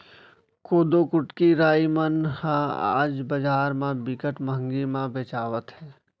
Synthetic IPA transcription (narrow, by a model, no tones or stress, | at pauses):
koːd̪okʊʈkiɾaːimənhãa̰ːd͡ʒbəd͡ʒaːɾmãbɪkəʈməɦə̃ŋɡimãbeːt͡ʃaːʋət̪ɦɛː